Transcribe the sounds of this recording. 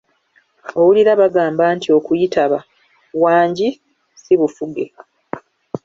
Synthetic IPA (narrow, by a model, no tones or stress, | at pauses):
o̞wuliɾaβaɡaːmbaːntio̞kujitaβa | waːɲɟi | siβufuɡe̞